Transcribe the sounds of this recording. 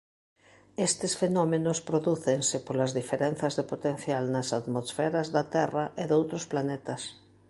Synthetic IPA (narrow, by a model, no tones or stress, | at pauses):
est̪ɪsfenɔmenospɾoðuθeŋsɪpolɐzðifeɾen̟θɐzðepot̪en̟θjalnɐsat̪mosfɛɾazðɐt̪ɛraʔeðowt̪ɾosplanet̪ɐs